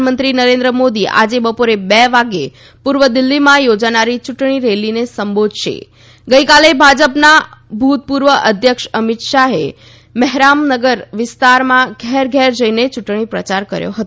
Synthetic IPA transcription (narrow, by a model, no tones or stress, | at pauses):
mənt̪ɾinəɾẽnd̪ɾəmod̪iʔa̰d͡ʒebəpoɾebɛʋaɡe | puɾʋəd̪ɪlːimãjod͡ʒanaɾit͡ʃʊʈɳ̃iɾelinesəmbod̪ʱʃḛ | ɡəikalebʱad͡ʒəpnabʱut̪̚puɾʋəʔəd̪ʱjəkʃəmɪt̪ʃaɦḛ | mɛɦɾamnəɡəɾʋɪst̪aɾmãɡʱɛɾɡʱɛɾd͡ʒəinet͡ʃʊʈɳ̃ipɾət͡ʃaɾkə̰ɾjo̰ɦət̪o